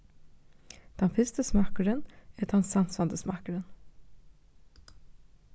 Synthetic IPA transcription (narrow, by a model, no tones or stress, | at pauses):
d̪̥ɛnfɪst̪əsmɑkəɾənɛt̪ɑnsɑnsɑnd̪əsmɑkəɾən